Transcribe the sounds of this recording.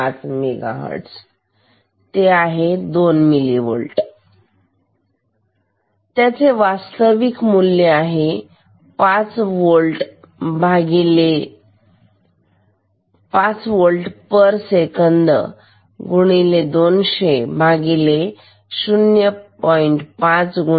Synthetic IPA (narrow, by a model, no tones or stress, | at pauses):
at͡smeɡa̰ɦə̰ɽs | t̪eaɦed̪onmiliʋo̰ɭʈ | t̪jat͡seʋast̪əʋikmulːeaɦe | pat͡sʋolʈ | bʱaɡile | pat͡sʋolʈpəɾsekənd̪ə̰ | ɡuɽ̃iled̪onɕebʱaɡile | ɕunjəpɔiɳʈpãt͡sɡu